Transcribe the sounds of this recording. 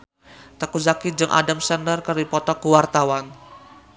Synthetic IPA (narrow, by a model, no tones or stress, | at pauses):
t̪əkuzakid͡ʒɨŋʔa̰damsəndərkəripɔt̪ɔkuwart̪awan